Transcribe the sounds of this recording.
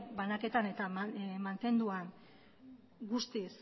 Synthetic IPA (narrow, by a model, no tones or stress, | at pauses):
banake̞t̪ane̞t̪amant̪e̞nd̪uan | ɡust̪is